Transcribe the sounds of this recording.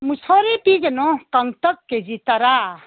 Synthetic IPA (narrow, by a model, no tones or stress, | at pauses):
musʰɔɾepiɡenɔkaŋt̪əkːed͡ʒit̪aɾa